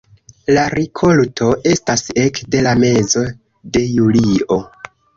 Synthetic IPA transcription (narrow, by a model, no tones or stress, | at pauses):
laɾikʰo̞ltʰo̞ʔe̞stase̞kde̞lame̞zo̞ | de̞julio̞